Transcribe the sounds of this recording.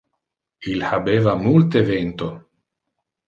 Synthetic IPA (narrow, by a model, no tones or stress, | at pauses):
ilhabeːvamult̪event̪o